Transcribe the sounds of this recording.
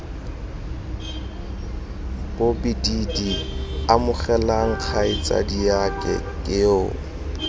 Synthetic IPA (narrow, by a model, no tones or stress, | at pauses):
b̥obididiamʊχɛlaŋ̩k͡xʰaɪt͡sʼa̰diakʼɛ̰kʼɪʊ̰